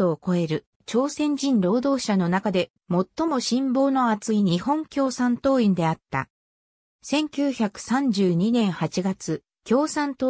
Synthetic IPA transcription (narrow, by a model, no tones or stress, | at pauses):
oːko̞e̞ɾɯ̟ | t͡ɕo̞ːsẽ̞ɲ̟d͡ʑĩnɾo̞ːd̪o̞ːɕano̞nakad̪e̞ | mo̞t̪ːo̞mo̞ɕĩmbo̞ːno̞at͡sɨiɲ̟ihõ̞ŋkʲo̞ːsãnt̪o̞ːĩnd̪e̞at̪ːa̰ | sẽ̞ŋkʲɨːçakɯ̟̥sãɲ̟d͡ʑɨːɲ̟inẽ̞ɰ̃hat͡ɕiɡat͡sɨ | kʲo̞ːsãnt̪oː